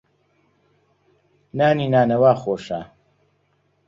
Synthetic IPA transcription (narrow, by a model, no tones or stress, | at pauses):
naːniːnaːnɐwaːxoːʃaː